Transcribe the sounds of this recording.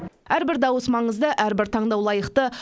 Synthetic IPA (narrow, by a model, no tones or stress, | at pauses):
æɾbɪɾd̪ɑwəsmɑɴəzd̪əʔæɾbɪɾt̪ʰɑɴd̪ɑwlˠɑjəqt̪ə